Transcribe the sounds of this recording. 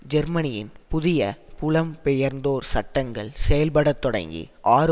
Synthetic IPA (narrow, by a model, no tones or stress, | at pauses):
d͡ʒɐɾmɐnɪjɪnpʊðɪjɐ̰pʊɭɐmpɛjɐɾnd̪oːɾsɐʈːɐŋɡɐɭsɛjɐlpɐɽɐt̪ːɔɽɐ̰ŋɡḭʔaːɾ